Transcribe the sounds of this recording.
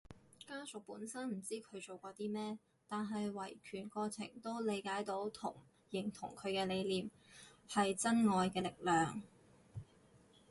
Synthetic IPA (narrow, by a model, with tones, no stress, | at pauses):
kaː˥sʊ˨k̚puː˨˥nsɐ˥nm̩˨˩t͡siː˥kʰɵ˨˧ɥt͡so˨wkʷɔː˧t̪iː˥mɛː˥ | t̪aː˨nɦɐ˨jwɐ˨˩jkʰyː˨˩nkɔː˧t͡sʰɪ̰˨˩ŋt̪o˥wle˨˧jkaː˨˥jt̪o˨˥wt̪ʰʊ˨˩ŋ | jɪ˨˩ŋt̪ʰʊ̰˨˩ŋkʰɵ˨˧ɥkɛː˧le˨˧jliː˨m | hɐ˨jt͡sɐ˥nŋɔː˨jkɛː˧lɪ˨k̚lœː˨ŋ